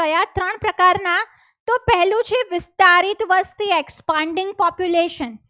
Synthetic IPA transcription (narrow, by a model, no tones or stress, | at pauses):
əjat̪ɾəɳ̃pɾəkaɾna | t̪opɛɦlũt͡ʃʰeʋɪst̪aɾit̪ʋəst̪iɛkspãɳɖɪŋɡ̚pɔpjuleʃən